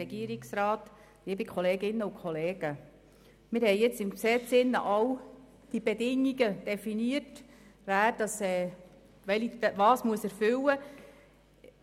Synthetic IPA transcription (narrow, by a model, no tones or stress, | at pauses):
ɛɡiəɾiksɾɑːt | libikʰχɔleːɡɪnːəʊkʰɔleːɡ̥ə | mɪɾhɛɪjɪt͡sɪmksɛt͡sɪnːə̰ʔɑw | d̥ibedɪŋːiɡəd̥ɛfiniərtʋæːɾd̥ɑsɛː | ʋɛliʋɑːsmuəsæɾfʏwə